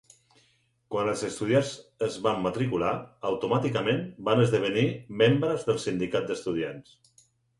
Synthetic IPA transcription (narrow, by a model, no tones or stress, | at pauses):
kwanəlˠzəst̪uð̞jazəzβamːət̪ɾikulaəwt̪umat̪ikəmenbanəzðəβ̞ənimembɾəzðəlˠsind̪ikat̪̚d̪əst̪uð̞ians